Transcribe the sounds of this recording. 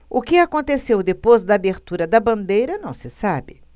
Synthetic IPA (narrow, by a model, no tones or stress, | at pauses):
ʊkɪakõnt̪esewd̪epozd̪ɐːbeɾt̪uɾɐd̪ɐbɐ̃nd̪ejɾɐnɐ̃w̃sɪsabɪ